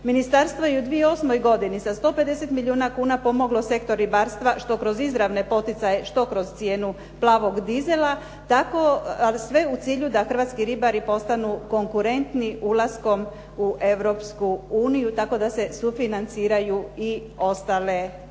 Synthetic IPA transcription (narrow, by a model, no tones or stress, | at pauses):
minist̪aɾst̪ʋojeud̪ʋijeo̞smo̞jɡo̞d̪inisast̪o̞ːpe̞d̪e̞se̞t̪miliuːnakuːnapo̞mo̞ɡlo̞se̞kt̪o̞ɾːibaːɾst̪ʋaʃt̪o̞kɾo̞zizɾaʋne̞po̞t̪it̪saje̞ʃt̪o̞kɾo̞z̥t̪sje̞ːnu | plˠaːʋo̞ɡd̪ize̞lˠa | t̪ako̞sʋe̞ut̪siːʎud̪axr̩ʋaːt̪skiɾibaɾipo̞st̪anuko̞ŋkuɾe̞nt̪niulasko̞m | uʔe̞ʋɾo̞pskuuːnijut̪ako̞d̪ase̞sufinant̪siːɾajui | o̞st̪aːle